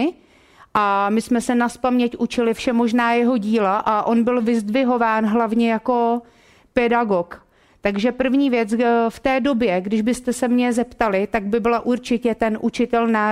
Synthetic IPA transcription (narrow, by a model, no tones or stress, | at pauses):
ʔamɪsmɛsɛnaspamɲɛcʔut͡ʃɪlɪfʃɛmo̞ʒnaːjɛɦo̞ɟiːlaʔaʔo̞nbɪlvɪzdvɪɦo̞vaːnɦlavɲɛjako̞ | pɛdaɡo̞k | t̪aɡʒɛpr̩vɲiːvjɛt͡sft̪ɛːdo̞bjɛɡdɪʒbɪst̪ɛsɛmɲɛzɛpt̪alɪt̪aɡ̚bɪbɪlaʔuɾt͡ʃɪcɛt̪ɛnʔut͡ʃɪt̪ɛlnaː